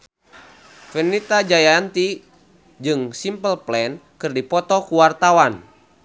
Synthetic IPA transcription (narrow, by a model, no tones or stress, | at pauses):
fənit̪ad͡ʒajant̪i | d͡ʒɨŋsimpəlplɛnkɨrdipɔt̪ɔkuwart̪awan